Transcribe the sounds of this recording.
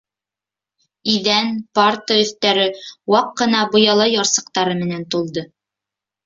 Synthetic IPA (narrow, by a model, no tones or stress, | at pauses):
iðænpɑrt̪əɵ̆θt̪æɾɘwɑqːɤ̆nɑbŏjɑlˠɤjɑɾsɤ̆q̚t̪ɑɾɤmɘ̆nænt̪ulˠd̪ɤ